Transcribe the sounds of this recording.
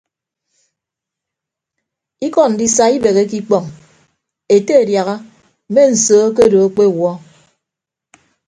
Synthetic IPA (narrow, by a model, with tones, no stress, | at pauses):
i˦kɔ˨n̩˨di˦sa˦i˦be˨ɣe˦ki˦k͡pɔ˦˨ŋ | e˨te˦e˨dja˨ɣa˦ | m̩˨me˦n̩˨soː˨˦k̬e˦do˨˦k͡pe˦˨wɔ˦